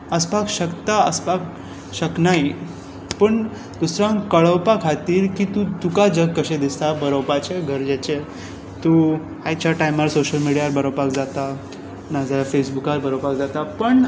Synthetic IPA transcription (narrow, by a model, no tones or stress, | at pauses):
əspakɕəkt̪aəspak | ɕəknai | pəɳ | d̪usɾãŋkəɭəwpakʰat̪iːɾkit̪ũt̪ukad͡ʑəɡ̚kəɕẽd̪ist̪abəɾəwpat͡ɕeɡʱəɾd͡ʑet͡ɕe | t̪u | hajt͡ɕʰaʈajmaɾsoɕəlmiɽiaɾbəɾəpakd͡zat̪a | nad͡zafesbukaɾbəɾopakd͡zat̪apəɳ